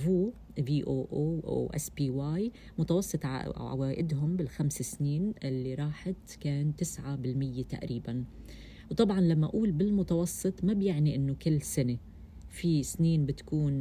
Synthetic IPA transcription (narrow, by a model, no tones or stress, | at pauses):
vuː | viːʔoːʔoːʔa̰wʔa̰spiːwaːj | mʊt̪ɑwɑsˤːɨt̪ˤʕa̰a̰waːʔɪd̪ɦʊmbɪlxamsesniːnʔɪlːiɾˤɑːħɪt̪keːnt̪ɪsʕabɪlmɪjːet̪a̰ʔɾiːban | wt̪ˤɑbʕɑnlamːaʔuːlbɪlmʊt̪ɑwɑsˤːɨt̪ˤmabjɪʕniʔɪnːokɪlːsɪne | fisniːnbɪt̪ḁkuːn